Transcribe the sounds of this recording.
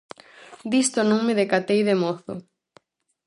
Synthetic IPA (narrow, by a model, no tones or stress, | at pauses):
d̪ist̪onõŋmeðekat̪ejðemoθʊ̰